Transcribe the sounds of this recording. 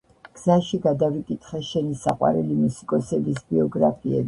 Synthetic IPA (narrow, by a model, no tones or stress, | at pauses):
ɡ̥z̥aʃiɡad̪avikʼit̪ʰʼχɛʃɛnisa̰qʼwa̰ɾɛlimusi̥kʼɔsɛbisbiɔɡɾapʰiɛ̰b